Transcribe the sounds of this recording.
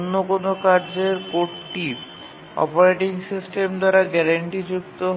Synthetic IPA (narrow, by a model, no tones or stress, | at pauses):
nːokonokaɾd͡ʑeɾkoʈʈi | ɔ̰poɾeʈiŋsisʈemd̪aɾaɡɛɾaɳʈid͡ʑuk̚t̪oɦ